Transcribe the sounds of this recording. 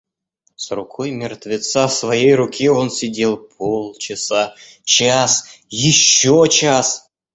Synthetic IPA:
srukʰojmʲɪrt̪vʲɪt̪safsvɐjejrukʲʰeonsʲɪdʲelˠpʰolˠt͡ɕɪsa | t͡ɕasjɪɕːot͡ɕas

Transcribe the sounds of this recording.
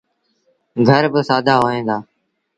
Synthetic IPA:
ɡʱəɾbəsaːd̪ʱaːɦoːɦẽːd̪aː

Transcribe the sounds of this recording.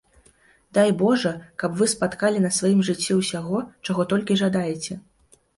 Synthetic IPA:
d̪ajbɔʐɐkɐpvɨspat̪kalʲinɐsvajimʐɨt͡sʲːɛwsʲaɣɔt͡ʂaɣɔt̪ɔlʲkʲiʐad̪ajɛt͡sʲɛ

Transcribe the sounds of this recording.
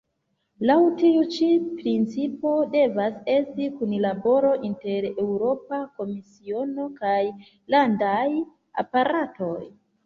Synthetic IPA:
lawtiut͡ʃipɾint͡sipo̞de̞vase̞stikunlabo̞ɾo̞ʔinte̞ɾe̞wɾo̞pako̞misio̞no̞kaj | landaj | a̰paɾato̞j

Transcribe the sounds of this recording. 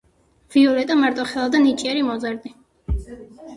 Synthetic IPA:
viɔlɛt̪ʼamaɾt̪ʼɔχɛlˠad̪anit͡ʃʼiɛɾimɔzaɾd̪i

